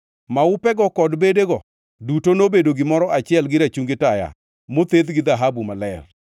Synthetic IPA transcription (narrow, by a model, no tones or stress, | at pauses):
maʊpɛɡɔkɔdbedeɡɔ | dutonobedoɡɪmɔɾɔʔat͡ʃɪɛlɡɪɾat͡ʃuŋɡɪtaja̰ | mot̪ed̪ɡɪd̪aɦabumalɛr